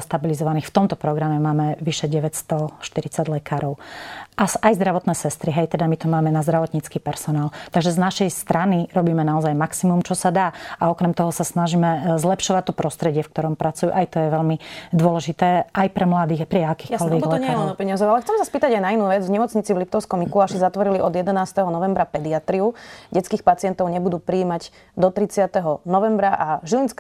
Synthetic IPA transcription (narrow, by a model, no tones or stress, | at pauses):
st̪abilizɔʋaniːxft̪ɔmt̪ɔpɾɔɡɾamɛmaːmɛʋiʃɛɟɛʋɛcst̪ɔʃt̪iɾit͡saɟlɛkaːɾɔʊʔasajzd̪ɾaʋɔt̪nɛːsɛst̪ɾiɦɛjt̪ɛd̪amit̪ɔmaːmɛnazd̪ɾaʋɔt̪ɲit͡skiːpɛɾsɔnaːlt̪aɡʒɛznaʃɛjst̪ɾaniɾɔbiːmɛnaɔzajmaksimumt͡ʃɔsad̪aːaɔkɾɛmt̪ɔɦɔsasnaʒiːmɛzlɛpʃɔʋac̚t̪ɔpɾɔst̪ɾɛɟɪɛfk̚t̪ɔɾɔmpɾʔat͡sujṵʔajt̪ɔjɛʋɛlmid̪ʊɔlɛʒit̪ɛːʔajpɾɛmlad̪iːɣapɾiakiːkɔlʋɛɡlɛapɛɲazɔʊalɛxt͡sɛmsaspiːt̪aɟajnainuːʋɛd͡zvɲɛmɔt͡sɲit͡sivlip̚t̪ɔʊskɔmikuaʃizat̪ʋɔɾiliʔɔd̪jɛd̪ɛnaːst̪ɛɦɔnɔʋɛmbɾapɛd̪iat̪ɾiuɟɛt͡skiːxpat͡sɪɛnt̪ɔʊɲɛbud̪uːpɾiːmaɟ | d̪ɔt̪ɾit͡sɪat̪ɛɦɔnɔʋɛmbɾaʔaʒilinsk